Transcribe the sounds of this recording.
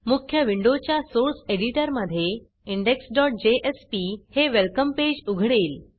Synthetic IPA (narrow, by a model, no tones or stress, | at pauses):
mukʰjəʋiɳɖot͡ɕjasoɾseɽiʈəɾməd̪ʱːje | iɳɖeksɖɔʈ̚d͡ʑeʔespiheʋelkəmped͡ʑuɡʱɽeːl